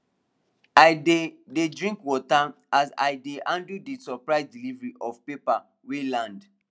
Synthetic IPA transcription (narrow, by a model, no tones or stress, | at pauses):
aɪdededɹĩŋkwɔta | asa̰jdeʔãndudisɔpɹaɪsdilivɹiʔɔfpepa | welãnd